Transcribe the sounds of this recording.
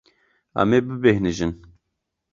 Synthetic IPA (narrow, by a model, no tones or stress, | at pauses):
a̰meːbɨbehnɨʒɨn